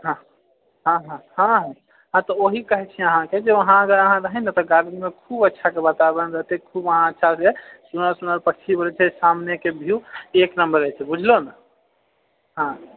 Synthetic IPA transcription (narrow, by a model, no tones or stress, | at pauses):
ɦã | ɦãɦãɦãɦ | ɦãt̪ɔoɦikəɦɛt͡ʃʰiəɦãked͡ʒeʋəɦãəɡəɾəɦãɾəɦɛnɛt̪ɔɡaɾimekʰubətːʃʰakebət̪abənɾəɦt̪ekʰubəɦãətːʃʰasesunəɾsunəɾpəkt͡ʃʰibəɾɛt͡ʃʰɛsamnekebʱiueknəmbəɾət͡ʃʰɛbud͡ʒʱlona | ɦã